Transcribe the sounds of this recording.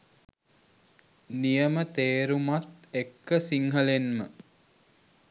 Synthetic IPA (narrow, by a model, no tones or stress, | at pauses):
nijəmət̪eːɾumat̪ekːəsiŋɦəlenmə